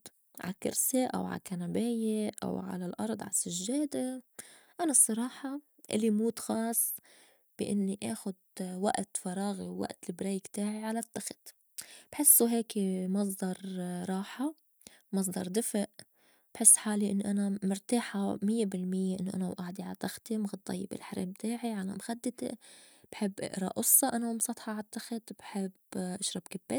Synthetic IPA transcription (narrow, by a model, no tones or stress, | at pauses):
ʕa̰kɪ̰ɾseʔa̰wʕa̰kanabeːjeʔa̰wʕa̰lalʔɑ̰ɾˤd̪ˤʕa̰sɪʒːeːd̪e | ʔanasˤːɑɾˤɑːħɑ | ʔɪ̰lːimuːt̪xɑːsˤː | b̥ɪʔɪnːiʔaːxʊd̪̚wa̰ʔt̪fɑɾˤɑːɣiwːa̰ʔt̪lɪbɾeːkt̪aːʕiʕalat̪ːaxɪ̥t̪ | b̥ħɪsːuɦeːkimɑs̬ˤd̪ɑɾˤɾˤɑːħa | mɑs̬ˤd̪ɑɾˤd̪ɪfʔ | b̥ħɪsːħaːliʔɪnːʔanamʊɾt̪aːħamɪjːebɪlmɪjːeʔɪnːoʔa̰nawʔaːʕd̪iʕalat̪ːaxt̪imɣɑd̪ːˤɑ̰jːɪbɪ̰lħaɾḛːmbt̪aːʕiʕala̰mxad̪ːɪt̪ḛb̥ħɪbːʔɪ̰ʔɾɑ̰ʔʊsˤːɑʔanamsˤɑt̪ˤħɑalat̪ːaxt̪b̥ħɪbʔaʃɾˤɑbkabːeːt̪